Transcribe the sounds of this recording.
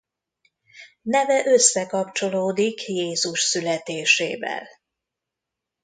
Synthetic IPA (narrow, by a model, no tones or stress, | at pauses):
nɛvɛʔø̞sːɛkɒpt͡ʃo̞loːd̪ikjeːzuʃsylɛt̪eːʃeːvɛ̰l